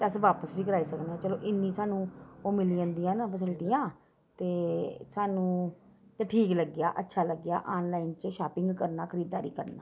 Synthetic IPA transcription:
t̪eəsʋaːpəsʋiːkəɾaːiːsəknːaːt͡ʃəloːʔɪnːĩːsaːnũːoːmɪliənd̪ijãːnpəs̬ɪlʈijãː | t̪eːsaːnũːt̪eːʈʰiːkləɡɪja̰ːʔətːʃʰaːləɡja̰ːʔaːnlaːint͡ʃʃaːpɪŋɡkəɾnaːkʰəɾiːd̪ːaːɾḭːkəɾna̰ː

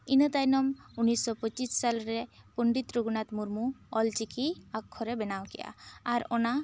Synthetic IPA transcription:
inət̪ajnɔmunːisːɔpɔt͡ʃissalɾepuɳɖit̪ɾuɡnat̪muɾmuɔlt͡ʃikiakʰːɔɾebɛnawkɛ̰ja̰ːɾɔna

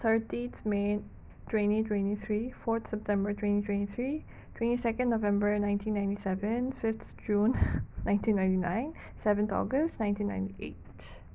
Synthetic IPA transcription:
t̪ʰətit̪me | tɹẽnitwɛ̃niθʰɹifɔt̪sɛp̚tɛ̃mbətʰwẽnitʰwɛ̃ntiθɹi | twɛ̃ntisɛkə̃nːovɛ̃mbənãɪ̃ntʰĩnːãɪ̃ntisɛvə̃nfɪft̪d͡ʒũnːãɪ̃ntĩnːãɪ̃ntinã̰ɪ̃n | sɛvə̃nt̪ɔ̰ɡəstnãɪ̃ntĩnːã̰ɪ̃ntiʔḛt

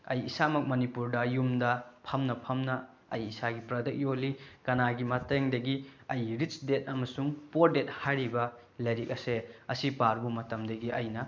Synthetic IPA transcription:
ɐjisamɐk̚mɐnipuɾdɐjumdɐpʰɐmnɐpʰɐmnɐ | ɐjisaɡipɾɐdɐk̚joliɡ̥ɐnaɡimɐteŋdɐɡiɐjɾit͡ʃdet̚ɐmɐsuŋpoɾdet̚hajɾibɐ | lɐjɾik̚ɐseɐsipaɾbumɐtɐmdɐɡiʔɐjnɐ

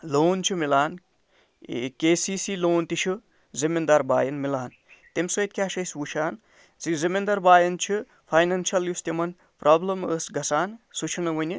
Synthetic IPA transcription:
loːnt͡ʃʰumilaːn | keːsiːsiloːnt̪it͡ʃʰu | zimind̪ɐɾba̰ːjɐnmilaːn | t̪emʲsojt̪̚kʲaːʃɐjsʋuʃaːn | zizimʲind̪ɐɾbaːjɐnt͡ʃʰu | pʰɐjnɐnʃɐljust̪ʲimɐn | pɾaːblɐməsɡɐsaːnsut͡ʃʰinɐʋɐnʲi

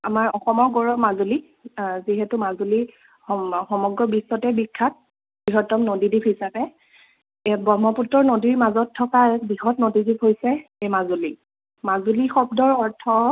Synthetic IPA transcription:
amaɹɔxɔmɔɹɡɔɹɔmazuli | ziɦɛtumazuli | ɔxɔmɔɡɹɔbisːɔtɛbikʰːat̚ | b̥iɦɔtːɔmnodidipɦisapɛ | bɔmɔputːɔɹnodiɹmazɔtʰːɔkaɛkbiɦɔtnodidip̚ʰɦojsɛejmazuli | mazulixɔb̚dɔɹɔɹtʰɔ

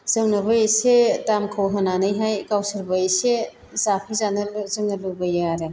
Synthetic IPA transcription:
z̥ɯŋnɐbajesetamkʰawɦananɯjɦajkawsɯɾbajse | zapʰizanɐzɯŋnɐlɯbɐjaaɾe

